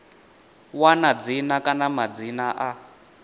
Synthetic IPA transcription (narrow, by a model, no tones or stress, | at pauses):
wanad͡zinakʼanamad͡zinaʔa